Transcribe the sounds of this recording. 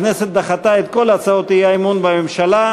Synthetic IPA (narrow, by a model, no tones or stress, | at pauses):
neset̪̚d̪aχat̪aet̪̚ko̞lat͡saot̪ijaimunbamemʃala